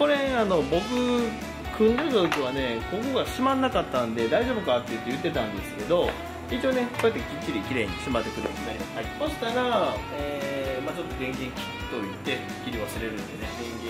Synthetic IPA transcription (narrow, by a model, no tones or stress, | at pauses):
ko̞ɾẽano̞bo̞kɯ̟ | kʰɯ̟̃nɾʲozoɯkiβane̞ko̞ko̞ɡaɕimãnːakat̪ːãnd̪e̞d̪aiʑo̞ːbɯ̟kat̪ːe̞jɯ̟t̪ːe̞jɯ̟t̪ːe̞t̪ãnd̪e̞sɨ̥ke̞d̪o̞ | it͡ɕione̞sojat̪ːeɡʲikʲːiɾʲikʲiɾe̞ɲ̟isɨmat̪ːe̞kɯ̟ɾɯ̰ninaɾʲimasɨ̥ajso̞ɕi̥t̪aɾa | eːmat͡ɕot̪ːo̞ɡ̪ẽ̞ŋɡʲẽ̞ŋkʲi̥kʲi̥t̪oɾʲit̪e̞i̥kʲːiɾʲiβasɨɾe̞ɾɯ̟̃nd̪eneɡẽŋɡẽ